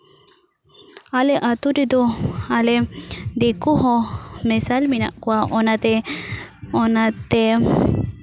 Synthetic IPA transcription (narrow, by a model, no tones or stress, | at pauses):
alɛʔat̪udɛd̪ɔalɛd̪ɛkuɦɔ̃mɛsalmina̰ʔkɔaʔɔnat̪ɛ | ɔnat̪ɛ